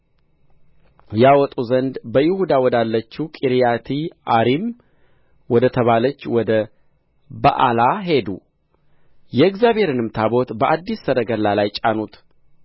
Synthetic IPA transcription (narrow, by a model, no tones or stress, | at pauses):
jawɔt̪ʼuzənd̪bəjɪhud̪awɔd̪alːət͡ʃːukʼiɾijat̪ʰiʔaɾim | wɔd̪ət̪ʰəβalət͡ʃːwɔd̪ə | ba̰ʔa̰laɦe̞d̪ṵ | jɛɨɡzjabhe̞ɾɨnɨmt̪ʰabo̞t̪bəʔad̪ːisːəɾəɡəlalajt͡ʃʼanut̪